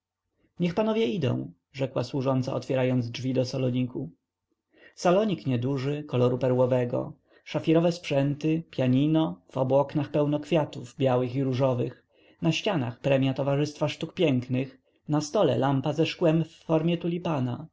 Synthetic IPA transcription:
ɲɛxpanɔvʲjɛid̪ɔ̰̃w̃ | ʐɛkwa̰swuʐɔnt̪sa̰ɔt̪fʲjɛɾajɔnd̪zd͡ʐvʲid̪ɔsalɔɲiku | salɔɲikɲɛd̪uʐɘkɔlɔɾupɛɾwɔvɛɡɔ̰ | ʂafʲiɾɔvɛspʂɛnt̪ɘpʲjaɲinɔv̥ɔbuɔknaxpɛwnɔkfʲjat̪uvbʲjawɘxiɾuʐɔvɘx | naɕt͡ɕana̰xpɾɛmʲjat̪ɔvaʐɘst̪faʂt̪ukpʲjɛŋknɘx | nast̪ɔlɛ̰lampazɛʂkwɛmfːɔɾmʲjɛt̪ulʲipana

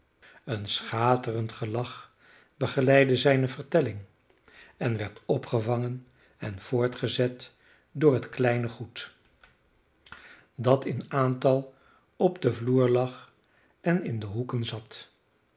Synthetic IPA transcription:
ənsχaːtərəntχəlɑχ | bəχəlɛjdəzɛjnəvəɹtɛlɪŋ | ɛnʋɛɹtɔpχəvɑŋən | ɛnv̥ʊːɹtχəzɛt | dʊːɹɦətklɛjnəχut | dɑtɪnaːntɑlˠ | ɔbdəvluːɹlɑχ | ɛnɪndəɦukənzɑt

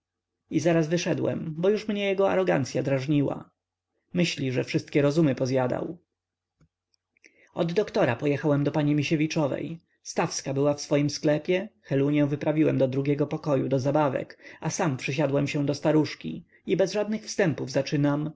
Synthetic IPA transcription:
izaɾazvɘʂɛd̪wɛ̰mbɔjuʂmɲɛjɛɡɔa̰ɾɔɡa̰nt̪sʲjad̪ɾaʐɲiwa̰ | mɘɕlʲiʐɛfʂɘst̪̚kʲɛɾɔzumɘpɔzjad̪a̰w | ɔd̪ːɔkt̪ɔɾapɔjɛxawɛmd̪ɔpaɲimʲiɕevʲit͡ʂɔvɛ̰j | st̪afskabɘwafsfɔjimsklɛpʲjɛxɛluɲɛ̃w̃vɘpɾavʲiwɛmd̪ɔd̪ɾuɡʲɛɡɔpɔkɔjud̪ɔzabavɛ̰kasampʂɘɕ̬ad̪wɛmɕɛ̃d̪ɔst̪aɾuʂkʲḭ | ibɛzʐad̪̚nɘxfst̪ɛmpuvzat͡ʂɘnam

